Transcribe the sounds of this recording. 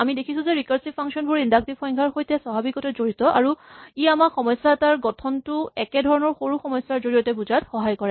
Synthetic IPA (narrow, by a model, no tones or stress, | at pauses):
amidekʰisʊ̃zɛɹikaɹsipʰaŋksɔnbʊɹindak̚tiɔj̃ŋkʰaɹxojtɛsɔbʱabikɔtɛzoɹitɔʔa̰ɹuiamakxɔmɔjsːataɹɡɔtʰɔntʊɛkɛdʱɔɹɔnɔɹxoɹuxɔmɔjsaɹzoɹijɔtɛbuzatxɔɦajkɔɹɛ